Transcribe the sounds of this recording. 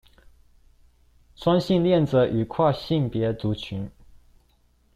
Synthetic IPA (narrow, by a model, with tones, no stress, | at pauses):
t͡sʰwa˥ŋɕi˥˧nljɛ˥˩nt͡sə˨˦ʔy˨˩kʰwa˥˧ɕi˥˩npjɛ˧˥t͡su˧˥t͡ɕʰy˧˥n